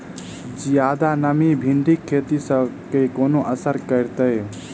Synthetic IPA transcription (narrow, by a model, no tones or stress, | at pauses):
d͡ʒjad̪anəmibʱiɳɖikʰːet̪isəkekonoʔəsəɾkəɾt̪əj